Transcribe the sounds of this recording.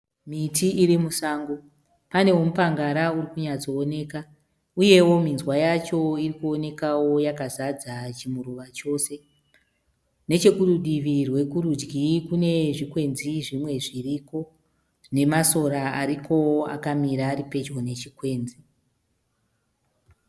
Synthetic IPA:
mitiiɾimusaːŋɡo̞ | pane̞womupaŋɡaɾauɾikuɲat͡so̞ːne̞ːka | uje̞wo̞minzwajat͡ʃo̞irikuo̞ne̞kawo̞jakazad͡zat͡ʃimuɾuʋat͡ʃo̞ːse̞ | ne̞t͡ʃe̞kuruɗiʋirwe̞kuɾud͡ʒɡikune̞ʐikwe̞nziʐimwe̞ʐiriko̞ | ʐ̥ine̞maso̞ɾaaɾikʰo̞a̰kamiɾaɾipe̞d͡ʒo̞ne̞t͡ʃikwe̞ːnzi

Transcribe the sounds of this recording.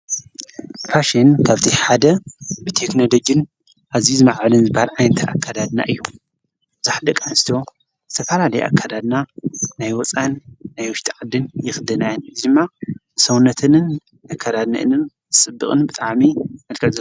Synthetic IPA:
pʰaʃinkʰaβt̪ʰiħad̪ɐbɨt̪ʰe̞kno̞lo̞d͡ʒɨn | ʔaβziuzɨmaʕɨlɨnzɨbhaɾʕajnɐt̪ʰʔa̰kʰːad̪ad̪na̰ʔɨjːu | bɨzaħd̪ɐkʼanst̪ʰo̞ | zɨt̪ʰɐfɐlalɐjʔa̰kʰːad̪ad̪nanajwɔt͡sʼanːajwʊʃt̪ʰʼiʕad̪ɨnjɪxd̪ɐnajɨnɨzd̪ɨmːabɨsɐwnɐt̪ʰɨnɨn | akʰːad̪ad̪nɨ̰ʔɨ̰nɨnzɨsʼɨbːɨkʼɨnbɨt̪ʼaʕmimɐlkʰʼɨʔz

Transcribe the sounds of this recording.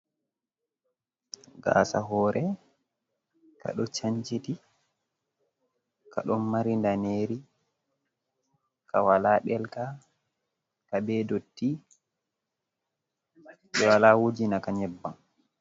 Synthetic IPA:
ɡa̰ːsa̰ɦɔːɾʔɛ | ka̰ɗɔt͡ʃaɲt͡ʃiti | kaɗɔnmaɾindaneɾi | kʰawalaɗɛlka | kabɛdotːi | ɓɛwalawud͡ʒinakaɲɛbːan

